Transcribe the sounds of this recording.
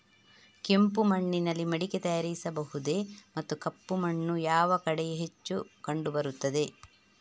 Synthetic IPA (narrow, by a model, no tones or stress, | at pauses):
kempumɐɳːinɐlːimɐɽiket̪ɐjaːɾisɐbɐɦud̪e̞mɐt̪ːukɐpːumɐɳːujaːʋɐkɐɽɛjeɦet͡ʃːukɐɳɖubɐɾut̪ːɐd̪e̞